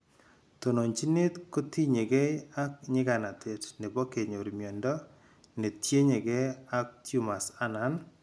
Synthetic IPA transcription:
to˨no˨ɲt͡ʃi˦ne˦tko˦ti˦ɲe˨ɡe˦a˦k̚ɲɪ˦ɡa˨na˨te˨tne˨bo˦ke˨ɲo˨ɾmjɔ˨ndɔ˦ | ne˨tje˦ɲe˨ɡe˦a˦k̚tju˦ma˨sa˦na˨˦n

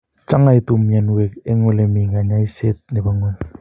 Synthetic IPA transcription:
t͡ʃa˦ŋa˦i˦tu˨mja˨nwe˨ke˦ŋe˦le˨mi˨ŋa˨ɲa˦i˦se˦t̚ne˨ba˨˦ŋo˦˨n

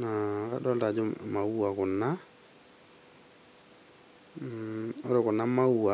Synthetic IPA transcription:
na˨ka̰˦dɔ˦lda˨d͡ʒɔ˦ma˨wa˨kʊ˨nːa˦ | o˦ɾe˨kʊ˨nːa˦ma˦wa˨

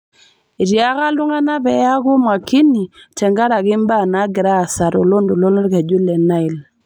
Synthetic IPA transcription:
i˨ɾja˦ka˦lʊ˦ŋa˦na˦bɛ˨˦ja˦ku˦ma˨ki˦ni˨tɛ˨ŋɡa˦ɾa˨ɡɪ˦mba˦˨na˨˦ɡɪ˨ɾa˦˨sa˨ɾo˨lo˦ndu˨lo˦lɔ˦ɾka˨d͡ʒu˦lɛ˨na˦i˨l

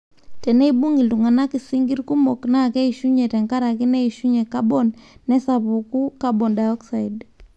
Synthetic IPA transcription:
tɛ˨nɛ˦iɓu˦ŋɡi˨ltu˨ŋa˨na˦ki˨si˦ŋɡi˦ɾku˦mɔ˨kna˦kɛ˦iʃu˦ɲɛ˨tɛ˨ŋka˦ɾa˨ki˦nɛ˦i˨ʃu˦ɲɛ˨ka˦ɓɔ˨nːɛ˦sa˨βu˨ku˦ka˦bɔ˨nda˨ɔksa˨id

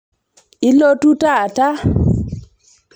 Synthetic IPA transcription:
i˦lo˦tu˦ta˦˨ta˦

